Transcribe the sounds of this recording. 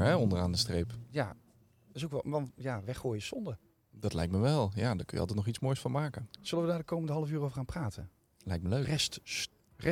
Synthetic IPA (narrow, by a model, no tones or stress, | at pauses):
ɛɔndəraːndəstrejpja | ɪsowkʋɛʋɑnjaːʋɛχoːjəsɔndə | dɑtlɛjk̚tməʋɛlˠjaːdaɹkɵ̰jəɑlˠt̬ɛtnɔχitsmoːjsfʊnmaːkənsɵləʋədaːdəkowməndəɦɑlˠəfyːrowvəɹχaːnmpraːtʰə | lɛjk̚tməlørɛst | rɛ